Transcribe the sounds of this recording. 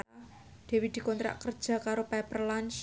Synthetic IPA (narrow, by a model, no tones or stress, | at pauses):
d̪̥e̤wid̪̥i̤kɔnt̪ɾa̰ʔkər̥d͡ʒʒ̥a̤kaɾopɛpərlant͡ʃ